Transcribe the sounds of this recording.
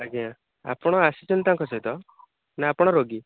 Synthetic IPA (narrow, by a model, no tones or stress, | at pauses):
aɡiã | a̰pɔɽ̃ɔasit͡ʃɔnt̪ãŋkɔsɔjt̪ɔ | naːpɔɽ̃ɔɾoɡi